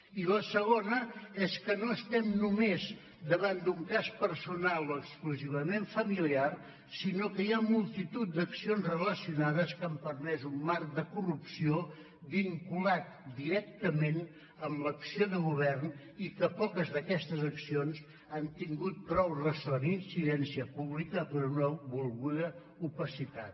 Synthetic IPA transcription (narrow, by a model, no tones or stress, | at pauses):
iləsəɣ̞onəɛskənoəst̪ɛmnumez | d̪əβand̪uŋkaspəɾsunalˠoəkskluziβəmeɱfəmiliar | sinokəjamulˠt̪it̪ut̪̚d̪əksionzrələsiunaðəskampəɾmɛzumːaɾk̚d̪əkurupsio | βiŋkulat̪̚d̪iɾɛk̚t̪əmen | əmləksioðəɣuβ̞ɛrn | ikəpɔkəzðəkɛst̪əzəksionz | ant̪iŋɡut̪̚pɾɔwrəsoninsiðɛnsiəpuβlikəpəɾunəβulˠɣuðə | upəsit̪a̰t̪̚